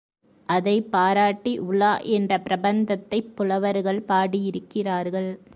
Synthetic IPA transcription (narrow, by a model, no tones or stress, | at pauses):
ʔɐðɐɪpːaːɾaːʈːiʔʊɭːaːʔɛndrɐpɪɾɐbɐnd̪ɐt̪ːɐɪpːʊlɐʋɐɾɣɐɭpaːɽijɪɾɯkːɪraːɾɣɐɭ